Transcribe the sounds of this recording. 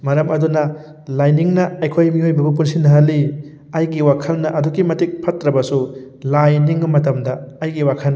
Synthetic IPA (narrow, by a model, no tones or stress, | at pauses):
mɐɾɐmɐdunɐ | lajniŋnɐɐjkʰojmihojbɐbɐp̬unsinɐɦɐlːi | ɐjɡiwakʰɐlnɐʔɐduɡimɐtik̚pʰɐtɾɐbɐsu | lajniŋːɐmɐtɐmdɐɐjɡiwakʰɐlnː